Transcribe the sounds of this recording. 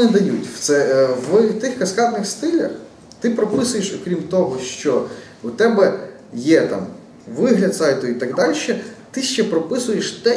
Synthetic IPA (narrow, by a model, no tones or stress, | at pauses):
nɪd̪ɐjutʲwt̪sɛʋt̪ɪxkɐskɑt̪nɪxst̪ɪlʲɐ̰x | t̪ɪpɾɔpɪsʊjeʃɔkɾʲimt̪ɔɦɔʃt͡ʃɔ | ʊt̪ɛbɛ | jɛt̪ɑ̰m | ʋɪɦlʲɐd̪sɑjt̪ʊit̪ɑɡd̪ɑlʲʃɛt̪ɪʃt͡ʃɛpɾɔpɪsʊjeʃt̪ɛ